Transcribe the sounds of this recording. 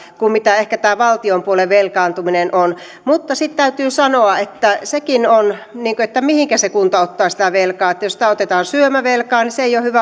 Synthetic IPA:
kummit̪æehkæt̪æːʋɑlt̪iompuoleʋʋelkɑːnt̪uminenʔon | mut̪ːɑsit̪t̪æyt̪yːsɑnoɑet̪ːæsekinonniːŋkoet̪ːæmihiŋkæsekunt̪ɑot̪ːɑːsi̥t̪æʋelkɑːet̪ːjosit̪æot̪et̪ɑːnsyømæʋelkɑːniseeijohyʋæ

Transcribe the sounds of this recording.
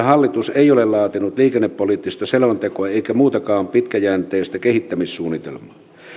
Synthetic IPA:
hɑlːit̪useiolellɑːt̪inut̪liːkenːepːoliːˑt̪ːist̪ɑselʋɑnt̪ekoɑeˑikæmuːt̪ɑkɑːmpit̪kæjæːnt̪eːst̪ækehit̪ːæmissuːnːit̪ḛlmˑɑː

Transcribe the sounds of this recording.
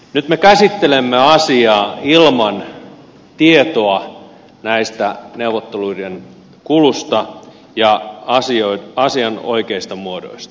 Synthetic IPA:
nyt̪mekæsit̪ːelemːeɑsiɑːilmɑn | t̪iet̪oɑ | næist̪æneuʋot̪ːeluiden | kulust̪ɑ | jɑɑsioiɑsiɑno̰ikeist̪ɑmuodo̰ist̪ɑ̥

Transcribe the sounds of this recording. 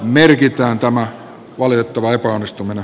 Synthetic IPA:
merkit̪æːnt̪æmæ | ʋɑlit̪et̪ːɑʋɑepæonːist̪umine

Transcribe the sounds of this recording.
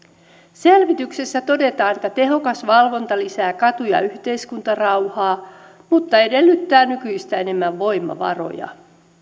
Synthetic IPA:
se̞lʋit̪ykse̞sːæt̪o̞de̞t̪ɑːnet̪ːæt̪e̞ɦo̞kɑsʋɑlʋo̞nt̪ɑlisæːkɑt̪ujɑ̰yht̪e̞iskunt̪ɑrɑwhɑː | mut̪ːɑe̞de̞lːyt̪ːæːnykyjist̪æene̞mːæʋːo̞jmːɑ̰ʋɑ̰ro̞̰jɑ̰

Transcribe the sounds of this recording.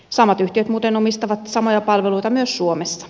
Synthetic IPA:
sɑmɑt̪yht̪iøt̪muːt̪enomist̪ɑʋɑt̪sɑmojɑpɑlʋeluit̪ɑmyøssuomesːɑ̥

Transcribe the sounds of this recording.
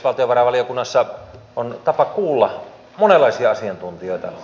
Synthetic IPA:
ʋɑlt̪ijoʋɑrɑʋɑlijokunːɑsːɑ | ont̪ɑpɑkuːlːɑ | monelˑːɑˑisiɑɑsiɑnt̪unt̪ioiet̪ɑ̰

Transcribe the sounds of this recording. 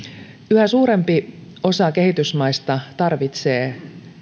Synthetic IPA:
yhæsuːɾe̞mpi | o̞sɑke̞hit̪ysmɑist̪ɑt̪ɑrʋit̪se̞ː

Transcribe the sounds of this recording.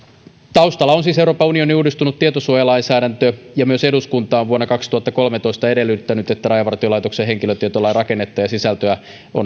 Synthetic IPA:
t̪ɑust̪ɑlːɑonsiːsewɾoːpɑunio̞niuːdist̪unut̪tiet̪osuojɑlɑinsæːdænt̪øjɑmyøseduskunt̪ɑːʋʋuonːɑkɑkst̪uhɑt̪ːɑko̞lmet̪o̞ist̪ɑe̞delːˑyt̪ːænyt̪et̪ːærɑjɑʋɑrt̪iolɑˑijt̪okseɦe̞ŋkiløt̪iet̪olːɑrɑkenːet̪ːɑjɑsisælt̪øæ | ʔo̰n

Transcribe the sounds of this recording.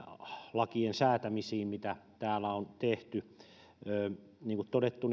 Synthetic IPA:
lɑkiensæːt̪æmisiːmmit̪æt̪æːlæont̪eht̪y | øːniːŋkut̪t̪odet̪ːun

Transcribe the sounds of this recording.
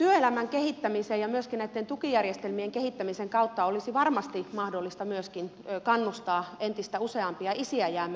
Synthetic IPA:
t̪yøelæmæŋkehit̪ːæmisejɑmyøskinnæit̪ːent̪ukijærjest̪elmieŋkehit̪ːæmiseŋkɑut̪ːɑolisiʋɑrmɑst̪imɑhdolːist̪ɑmyøskin | kɑnːust̪ɑːent̪ist̪æuseɑmpiɑisiæjæːmːæ

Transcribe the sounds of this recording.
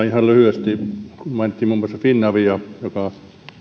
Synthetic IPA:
ihɑllyhyest̪ikummænt̪ʲːimumːŏˑsɑfinːɑʋiɑjokɑ

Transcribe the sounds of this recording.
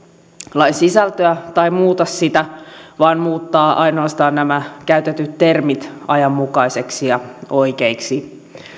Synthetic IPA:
lɑjsisælt̪øæt̪ɑimuːt̪ɑsit̪æʋɑːnmuːt̪ːɑːʔɑjnoɑst̪ɑːnnæmækæyt̪et̪yt̪te̞rmit̪ɑjɑmːukɑjse̞ksijɑo̞ikeiksi

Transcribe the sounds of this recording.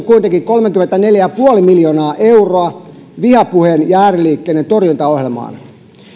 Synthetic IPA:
kuint̪eŋkiŋkolmekyment̪æneljæjæpuolimiljoːnɑːʔeuroɑ | ʋihɑpuhenjæːriliːkːeːnːent̪orjunt̪ɑohjelmɑ̰ːn

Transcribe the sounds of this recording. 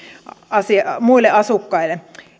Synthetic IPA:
ɑsimuilːˑeɑsukːɑilːˑe

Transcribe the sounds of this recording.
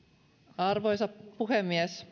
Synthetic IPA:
ɑrʋojsɑppuhemːies

